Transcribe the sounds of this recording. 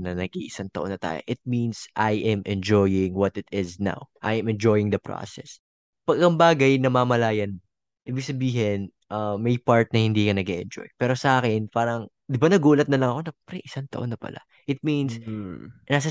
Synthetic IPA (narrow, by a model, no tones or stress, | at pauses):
nɐnɐɡʔḭʔɪsaŋt̪ɐʔonːɐt̪a̰ːjo̰ʔɪt̪̚minsʔajʔɛmʔɛnd͡ʒojɪŋwɔt̪ɪt̪ɪzna̰wʔajɛmɛnd͡ʒojɪŋd̪ɐpɾo̰sɛ̰s | pɐɡɐŋbaːɡɐjnɐmaːmɐlaːjɐn | ʔiːbɪɡ̚sɐbiːɦɪn | ʔɐmɐjpaɹt̪̚nɐhɪnd̪iːkɐnɐɡeʔɛnd͡ʒo̰jpɛːɾo̞sɐʔaːkɪnpaːɾɐŋ | d̪ɪbanɐɡuːlɐt̪̚nɐlɐŋɐko̞nɐpɾɛʔɪsaŋt̪ɐ̰ʔonːɐpɐ̰lʔa̰ | ʔɪt̪̚mins | nasɐ